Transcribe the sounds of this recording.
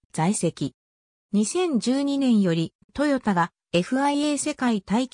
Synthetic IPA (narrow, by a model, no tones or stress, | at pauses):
z̥aise̞kʲi | ɲ̟isẽ̞ɲ̟d͡ʑɨːɲ̟inẽ̞ɰ̃jo̞ɾʲi | t̪o̞jo̞t̪aɡa | e̞ɸɯ̟aieːse̞kait̪aikʲ